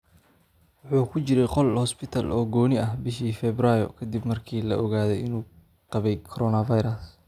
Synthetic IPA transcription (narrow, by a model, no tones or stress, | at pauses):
wʊħuːkʰʊt͡ʃɪɾɛjqɔlhɔspɪt̪ʰɐlʔɔːɡɔːnɪɐɦbɪʃiːfɛbrajɔkʰɐd̪ibmɐrkʰiːlɐ̰ʔɔɣaːðɛjɪnuː | qɑβɛjkʰɔɾɔnɐvɐjɾɐs